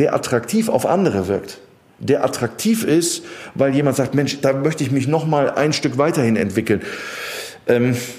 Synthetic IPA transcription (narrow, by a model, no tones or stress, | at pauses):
deːɐʔa̰tʁ̥aktʰiːfa̰ʊfʔa̰ndəʁ̞əvɪɐkt | d̥eːɐʔatʁ̥ak̚tʰiːfɪstvaɪljeːmantz̥aːk̚tmɛnʃd̥aːmœçtəɪçmɪç̬nɔχmaːlʔa̰ɪnʃtʏkv̥aɪtɐhɪnɛ̰ntv̥ɪkl̩n | ʔɛːm